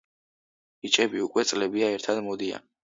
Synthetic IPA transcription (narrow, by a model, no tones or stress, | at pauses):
it͡ʃʼɛbiukʼwɛt̪sʼlɛbiaɛɾt̪ʰad̪mɔd̪ia̰n